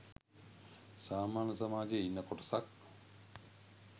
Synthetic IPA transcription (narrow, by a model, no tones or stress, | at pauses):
saːmaːnəsamaːd͡ʒejinːəkoʈəsak̚